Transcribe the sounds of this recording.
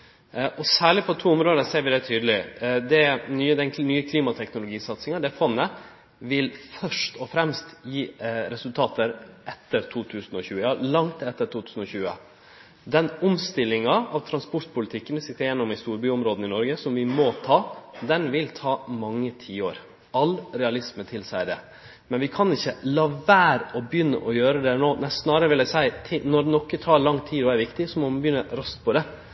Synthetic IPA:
ʔɔsæːɭɪpʰɔt̪ʰuːʊmɾoːd̪əseːɾʋɪd̪ɛt̪ʰyːd̪əlɪd̪ɛnyːd̪ɛnnyːəkʰliːmɑt̪ʰɛknʊlʊɡiːsɑt̪sɪŋɑd̪ɛfɔnːə | ʋɪlfœʂʈɔfɾɛmst̪jiːɾɛsʉlt̪ʰɑːt̪əɾʔɛt̪ːəɾt̪ʰuːt̪ʰʉːsn̩ɔçʉːəɑlɑŋt̪ɛt̪ːəʈʰuːt̪ʰʉːsn̩ɔɕçʉːə̰ | d̪ɛnʊmst̪ɪlːɪŋɑɑʋt̪ʰɾɑnspʊʈpʊlɪt̪ʰɪkːənəsɪt̪ːəɾjɛnːɔmɪst̪uːɾbyːʊmɾoːd̪nɪnɔɾɡəsɔmʋɪmɔt̪ʰɑːd̪ɛnʋɪlt̪ʰɑːmɑŋːət̪ʰiːoːɾ | ɑlɾɛɑlɪsmət̪ʰɪlsæɪəd̪ɛ̰ | mɛnʋɪkʰɑnɪçːəlɑːʋæːɾɔbjʏnːə̰ʔɔjøːɾəd̪ɛnoːnæsnɑːɾəɾəʋɪlæɪsæɪt̪ʰɪnɔɾnɔkːət̪ʰɑːɾɭɑŋːt̪ʰiːɔæɾʋɪkt̪ɪsɔmɔmnbjʏnːəɾɑst̪pʰɔd̪ɛ

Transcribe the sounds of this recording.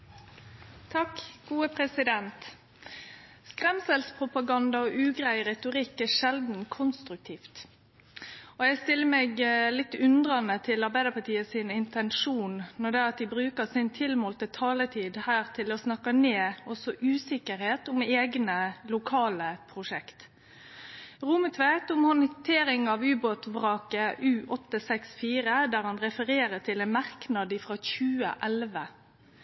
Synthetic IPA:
t̪ʰɑkːɡ̥uːəpʰɾɛsɪd̪ɛnt̪ | skʁɛmsɛlspʰʁʊpɑɡɑnd̪ɑɔʔʉːɡɾæɪʁɛt̪ʊʁɪkːæʂɛld̪n̩kʰʊnst̪ɾʉk̚t̪ʰiːft̪ | ɔjɛɡst̪ɪlːəmeːɡlɪt̪ːʉnd̪ʁɑnət̪ʰɪlɑʁbæɪd̪əpɑʈiːəsɪnɪnt̪ɛnʂuːnnɔd̪ɛɑt̪̚d̪ɪbʁʉːkəʁsɪnt̪ʰɪlmoːlt̪ət̪ʰɑːlət̪ʰiːd̪hæːʁt̪ʰɪlɔsnɑkːɑneːɔsɔʔʉːsɪkəɾheːt̪ʊmeːɡnəlʊkʰɑːləpʰɾʊʂɛkt̪ | ʁʊmət̪ʰʋæɪt̪ʊmhɔnɪt̪ʰeːɾɪŋɑʋʉːboːt̪bʁɑːkəʔʉːʔɔt̪ːəsɛksfiːɾəd̪æːɾhɑnɾɛfəɾeːɾət̪ʰɪlɛnmɑɾknɑd̪ɪfʁɑːçʉːə̰ʔɛlʋə

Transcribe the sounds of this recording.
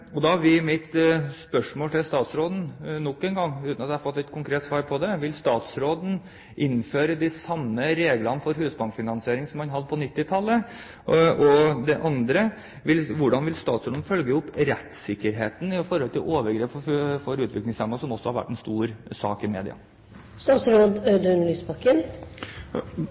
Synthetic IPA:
ɔd̪ɑʋɪmɪt̪spœʂmoːlt̪ʰɪlst̪ɑːt̪sɾoːd̪n̩nɔkːənɡɑŋːʉːt̪nɑt̪d̪ɛhɑɾfɔt̪lɪt̪̚kʰʊŋkʰɾeːt̪sʋɑːɾpʰɔd̪ɛʋɪlst̪ɑːt̪sɾoːd̪n̩ | ʔɪnføːɾəd̪ɪsɑmːəɾeːɡlɑnəfɔɾhʉːsbɑŋkfɪnɑnsɪeːɾɪŋsɔmhɑnɦɑd̪ːəpʰɔnɪt̪ːɪt̪ʰɑlːə | ʔɔd̪ɛʔɑnd̪ɾə | ʋɪlʋʊɖɑnʋɪlst̪ɑːt̪sɾoːd̪n̩fœlɡəʊpɾɛt̪sɪkːəɾɦeːt̪n̩ɪfɔɾɔlt̪ʰɪ̰ʔoːʋəɾɡɾeːpfɔɾʉːt̪ʰʋɪklɪŋsɛmːɑsɔmɔsːɔhɑɾʋæ̰ʈːɛnst̪uːɾsɑ̰ːkɪmḛːd̪ɪ̰ɑ̰ | st̪ɑːt̪sɾoːd̪ød̪ʉnlyːsbɑkən

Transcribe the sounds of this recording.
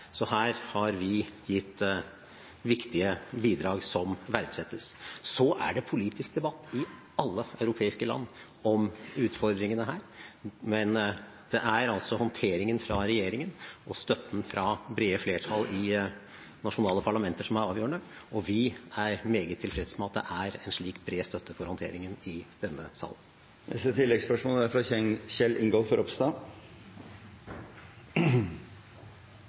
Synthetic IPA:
sɔhæːɾhɑɾʋɪjɪt̪ː | ʋɪkt̪ɪəbiːd̪ɾɑːɡsɔmʋæɾd̪sɛt̪ːəssɔʔæ̰ɖɛpʰʊliːt̪ɪsk̚d̪ɛbɑt̪ːɪ | ɑlːəœʉɾʊpʰeːɪskəlɑ̰nː | ɔmʉːt̪fɔɾd̪ɾɪŋənəɦæːɾmɛn | d̪̥ɛʔæɾɑlsɔhɔnt̪ʰeːɾɪŋənfɾɑɾɛjeːɾɪŋənɔst̪œt̪ːn̩fɾɑbɾeːəfleːʈʰɑlɪ | nɑʂʊnɑːləpʰɑɭɑmɛnt̪əʂɔmæɾɑːʋjuːəɳəɔʋɪæɾmeːɡət̪ʰːɪlfɾɛd̪ə̥smɛɑt̪̚d̪ɛ̰ʔæɾɛnʂɭiːkbɾeːst̪œt̪ʰːəfɔɾhɔnt̪ʰḛːɾɪŋənɪd̪̥ɛnːəsɑ̰ːlən | ɛ̰sət̪ʰɪlːɛɡspœʂmoːləæɾfɾɑɛçɛlːɪŋɡoːlfɔɾʔɔpst̪ɑː

